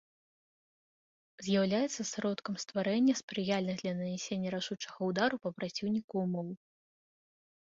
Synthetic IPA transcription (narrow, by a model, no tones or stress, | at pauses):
zʲjawlʲajɛt̪sːɐsɾɔt̪kɐmst̪vaɾɛnʲːɐspɾɨjalʲnɨɣd̪lʲɐnɐnʲɛsʲenʲːɐɾaʂut͡ʂɐɣɐud̪aɾupɐpɾat͡sʲiwnʲikumɔw